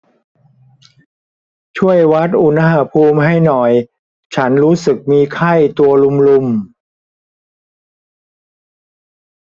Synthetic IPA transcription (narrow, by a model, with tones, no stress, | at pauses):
t͡ɕʰu˥˩əjwa˦˥t̪̚ʔu˧˩na˧˩ha˧˥pʰuː˧mɦa˥˩jnɔ˨˩j | t͡ɕʰa˦˥nɾuː˦˥sɯ˨˩k̚miː˧kʰa˥˩jt̪u˧ɐlu˧mlu˧m